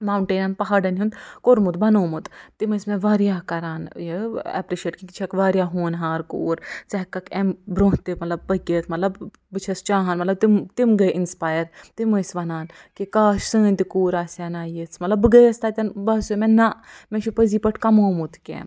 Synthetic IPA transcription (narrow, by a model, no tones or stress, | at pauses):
maːwɳʈeːnɐnpɐɦaɖɐnɦund̪koɾmut̪bɐnoːmut̪t̪imɐsmẽʋaːɾjaːkɐɾaːnjeɛ̰pɾiʃeʈkikit͡ʃʰɐkʋaːɾjaːɦoːnɦaːɾko̰ːɾt͡sɐɦkːɐkembɾõːnt̪imɐt̪lɐb̚pɐkeːt̪ʰmɐt̪lɐb | bɨt͡ʃʰɐst͡ʃaːɦɐnmɐt̪lɐb̚t̪imt̪imɡɐʔinspaːjɐɾt̪imɐsʋɐnaːn | kikaːʃsɨːnʲt̪ikuːɾaːsɐnaːjit͡sʰmɐt̪lɐbɨɡɐjɐst̪at̪ʲɐnbɐsumenɐmẽʃʰipəzipɐʈʰkɐmoːmut̪ʰkʲḛːm